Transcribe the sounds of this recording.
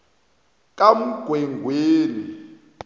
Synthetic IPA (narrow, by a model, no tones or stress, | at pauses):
k̬ʼam̩ɡ̥ʱwɛŋɡʱweːni